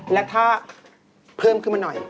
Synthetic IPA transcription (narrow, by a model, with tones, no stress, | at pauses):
lɛ˦˥t̪ʰaː˥˩ | pʰɤː˥˩˨mkʰɯ˥˩˨ma˧nɔ˨˩j